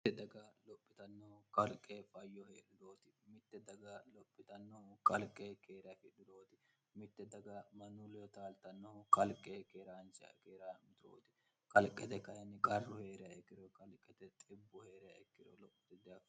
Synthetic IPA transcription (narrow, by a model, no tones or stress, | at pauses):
mɪːɛd̪ɐɡalɔpʼːɪt̪ɐnːɔhʊkɐlkʼːeːfɐjːɔheːᶑɪd̪o̞ːt̪ɪ̥mɪt̪ːɛd̪ɐɡalɔpʼːɪt̪ɐnːɔhʊkɐlkʼːeːkʰeːɾɪɐfɪᶑɪd̪oːt̪ɪ | mɪt̪ːɛd̪ɐɡamɐnulɛjɔt̪aːlt̪ɐnːɔhʊkɐlkʼːeːkeːɾaːnt͡ʃkeːɾaːmɪt̪ɾo̰ːt̪ɪ̥ | kɐlkʼːɛt̪ɛkɐjɛnːɪkʼɐrːɔhe̞ːɾɪjɐɛkːɪd̪ɔkɐlkʼːɛt̪ɛt̪ʼɪbːɔhe̞ːɾɪjɐɛkːɪd̪ɔ̰lɔpːɔ̥t̪ɪd̪ɪɐk